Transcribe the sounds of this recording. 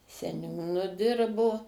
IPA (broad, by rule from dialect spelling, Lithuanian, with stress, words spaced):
sʲɛˈnʲuːnʊ ˈdʲɪrboː